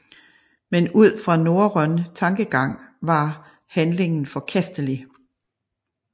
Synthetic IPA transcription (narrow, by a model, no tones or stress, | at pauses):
menuð̞̰ˠfʁɑ̈no̝ɐʁœnt͡sʰɑ̈ŋɡ̥əɡ̥ɑ̈ŋ̰ʋɑ̈ | hænle̝ŋn̩fɒ̽kʰæsd̥əli